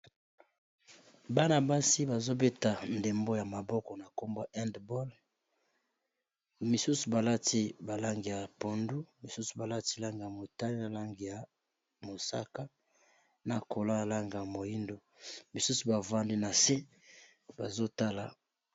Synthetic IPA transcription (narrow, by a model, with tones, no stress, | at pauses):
ba˦na˨ba˦si˦ba˨zo˦be˦ta˨nde˨mbo˦ja˨ma˨bɔ˦kɔ˨na˨ko˦mbo˦ʔɛ˦ndbo˦l | mi˨su˦su˨ba˨la˦ti˦ba˨la˦ŋɡi˨ja˨po˨ndu˦mi˨su˦su˨ba˨la˦ti˦la˦ŋɡi˨ja˨mo˨ta˦li˦na˨la˦ŋɡi˨ja˨ | mo˨sa̰˦ka˦ | na˨kʰo˨la˦˨la˦ŋɡa˨ja˨mo˨ji˦ndo˨ | mi˨su˦su˨ba˨va˦ndi˦na˨se˦ | ba˨zo˦ta˦la˨